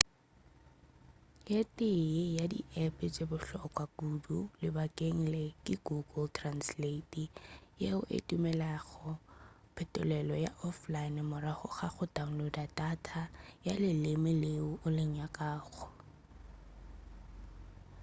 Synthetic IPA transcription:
jetʼɪjadḭʔɛpʼɪt͡sʼebʊɬɔkʼwakudulɪbakʼeŋ̩lɛkʼɪɡʊɡɔltʰʼransletʼijeʊʔḛtʼumɛlaɣɔ | pʰɛtʼʊlɛlɔjaʔɔflaɪnmʊɾaχʊχaχʊdaŋ̩lodatʼatʰajalɪlɪmɪlɪʊʊlɪɲakʼaːɣɔ

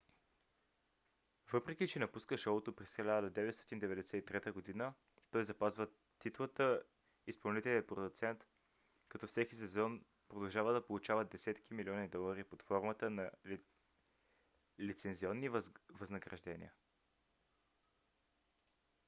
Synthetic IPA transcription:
vɤpɾɛk̟it͡ʃɛnɐpuskəʃɔlˠot̪opɾisxilʲaad̪əd̪ɛvɛt̪st̪ɔt̪ind̪ɛvɛd̪ɛsɛit̪ɾɛt̪əɡod̪inə | t̪ɔjzɐpazvə | t̪ːit̪lˠət̪ə | ispɐlˠnit̪ɛlʲiəpɾod̪ʊt̪sɛnt̪ | kɐt̪ɔfsɛkisɛzɔn | pɾod̪ɐlˠʒavəd̪ɐpolˠut͡ʃavəd̪ɛsɛt̪k̟imilʲiɔnid̪ɔlˠɐɾipot̪fɔɾmət̪ənɐ | lit̪sɛnziɔnːivɐznəɡɾɐʒd̪ɛnḭə

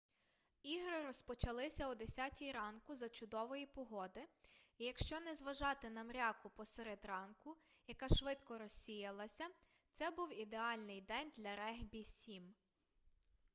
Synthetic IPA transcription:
iɦɾɪɾɔspɔt͡ʃɐlˠɪsʲɐud̪esʲatʲijɾɑnkʊzɐt͡ʃʊd̪ɔʋɔjipɔɦɔd̪ɪijɐkʃt͡ʃɔnɛzʋɐʒɑt̪ɪnɐmɾʲɑkʊpɔseɾed̪rɑnkʊjɐkɑʃʋɪt̪kɔɾɔsʲijɐlˠɐsʲɐ | t̪sɛbuwid̪eɑlʲnɪjd̪ɛnʲd̪lʲɐɾɛɦbʲisʲim

